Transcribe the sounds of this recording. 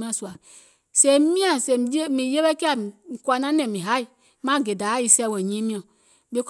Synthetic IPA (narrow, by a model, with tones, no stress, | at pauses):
mã˦˨su˨a˨ | sẽ˧˦i˦mĩ˦ã˨se˧˨je˦mĩ˨je˦ɓɛ˦kɛ˦a˨i˨kwa˨nã˦nɛ̃˨mĩ˨ɦa˨˦i˨ | mã˦˨ɡe˨da˨˦i˧sɛ˧˦wɛ˨ɲĩ˦mĩ˦ã˨ | ɓe˦k